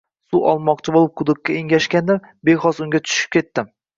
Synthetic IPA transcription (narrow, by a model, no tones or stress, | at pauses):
suʔɒ̰lˠmɒqt͡ʃʰɪbolˠɪp̚qʰʊd̪ʊk̚ʲːaeŋɡʲaʃkʲand̪ɪɾ | beχɒsʊŋɡʲat̪ʰʊ̥ʃɪ̥p̚kʲʰe̞t̪ːɪm